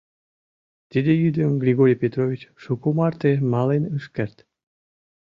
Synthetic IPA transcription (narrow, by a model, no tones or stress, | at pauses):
t̪id̪ejyd̪əmɡɾʲiɣoɾʲijpʲet̪ɾovʲit͡ɕʃukumɑrt̪emɑlenəʃkert̪